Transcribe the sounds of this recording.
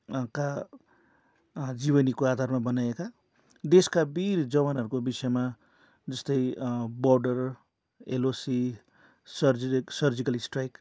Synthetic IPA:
ka | d͡ziβʌnikoad̪ʱarmabʌnajeka | d̪eskabiɾd͡zʌβanɦʌɾukobisʌjma | d͡zʌst̪ʌjbʌrɖʌr | elosi | sʌrsʌrd͡zikʌlisʈrajk

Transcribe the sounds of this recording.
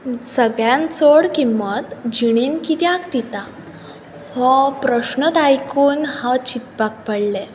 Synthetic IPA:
səɡɭjãnt͡soɽkimːət̪d͡ʑiɽ̃inkit̪jãkt̪it̪a | hɔpɾəɕnət̪ajkuːnhat͡ɕit̪pak̚pəɽle

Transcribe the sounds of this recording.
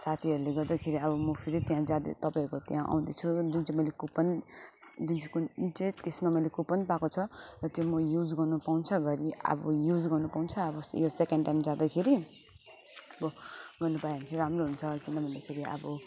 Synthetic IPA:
sat̪ʰiɦʌɾuleɡʌrd̪akʰeɾiʌbʌmʌpʰiɾit̪jãd͡zad̪̰t̪ʌpaĩkot̪jãʔa̰w̃d̪it͡sʰud͡zunt͡saĩmʌjlekupʌn | d͡zunt͡sʰikunt͡saĩt̪esmamʌjlekupʌnpakot͡sʰʌrʌt̪jomʌjud͡zɡʌrnupaũnt͡sʰʌɡʌɾiʌ̰bʌjud͡zɡʌrnupawnt͡sʰʌːbʌjosekeɳɖʈajmd͡zad̪akʰeɾi | ʌbʌɡʌrnupajɦʌnt͡sʌɾamroɦunt͡sʰʌkinʌbʱʌnd̪akʰeɾiʌ̰bʌ

